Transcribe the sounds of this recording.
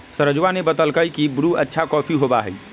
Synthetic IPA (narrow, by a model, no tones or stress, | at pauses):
səɾəd͡ʒwanebət̪əlkəjkibɾuətːʃʰakɔpʰiɦobaɦə̰j